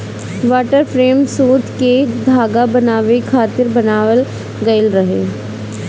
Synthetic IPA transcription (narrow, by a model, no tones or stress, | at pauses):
ʋaːʈəɾpʰɾeːmsuːt̪ʰked̪ʱaːɡabɐnaːʋekʰaːt̪ɪɾbɐnaːʋəl | ɡɐɪlɾɐɦeː